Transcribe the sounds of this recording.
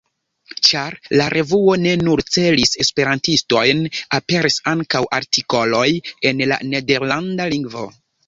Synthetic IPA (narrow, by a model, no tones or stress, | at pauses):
t͡ʃaɾlaɾʔe̞vuo̞ne̞nuɾt͡se̞lise̞spe̞ɾantisto̞jnape̞ɾisaŋkawʔaɾtʰiko̞lo̞je̞nla̰ne̞de̞ɾlandaliŋɡvo̞̰